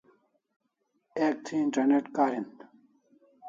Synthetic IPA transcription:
eːk̚t̪ʰiːɳʈɐneʈkaːɾint̪

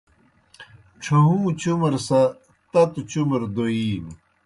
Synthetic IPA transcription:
ʈ͡ʂʰɐɦũːt͡ɕumɐɾsɐ | t̪ɐt̪ut͡ɕumɐɾd̪oiːn

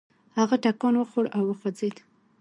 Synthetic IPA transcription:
haɣaʈakɑnwəxoɽawːəxwad͡zed̪

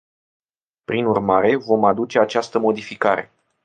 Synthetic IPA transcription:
pɾinurmaɾe̞vo̞mad̪ut͡ʃe̞at͡ʃast̪əmo̞d̪ifikaɾe̞̰

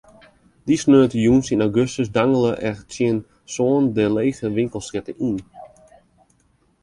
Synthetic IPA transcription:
disnøːətəjunsinawɡøstəsdaŋələʔɛt͡sɪən | soːəndəleːχəʋɪŋkəlˠsɪtəʔin

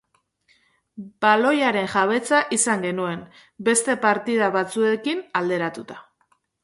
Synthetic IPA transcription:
b̥alo̞jaɾe̞ŋʝaβ̞et͡saʔisaŋɡe̞nue̞m | be̞st̪e̞paɾt̪ið̞aβat͡sue̞kinald̪e̞ɾat̪ut̪ḁ

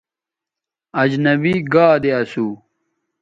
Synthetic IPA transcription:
ɐd͡ʑnɐbiːɡaːd̪eɐsuː

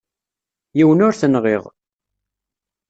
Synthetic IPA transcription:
jiwənʊɾθənʁiʁ

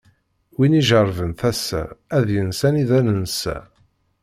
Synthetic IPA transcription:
winiʒəɾˤvənθæsːæ̰æðjənsæniðænənsæ̰

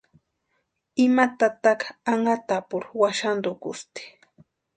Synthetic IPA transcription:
ɪmat̪at̪ɑkaŋat̪apʊɾwaʃand̪okʊst̪ɪ̥

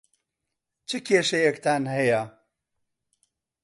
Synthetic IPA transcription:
t͡ʃʰɨkʰʲeːʃɐjɛkt̪ʰaːnɦɐjɐ

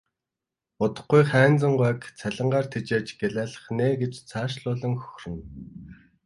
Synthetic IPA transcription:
ʊt̪ə̆χɡujχæːnt͡sə̆ɴɢæːkt͡sʰæɮə̆ɴɢaːr̥t̪ʰet͡ɕeːt͡ɕɡeɮæːɮə̆χneːɡet͡ɕt͡sʰaːʃɮʊːɮə̆ŋxɵ̥xʲrɘ̆n

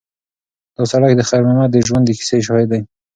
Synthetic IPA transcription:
d̪̥ɔsaɽakd̪əxaɾmamad̪əʒwand̪əki̥seʃ̬ɔhɪd̪a

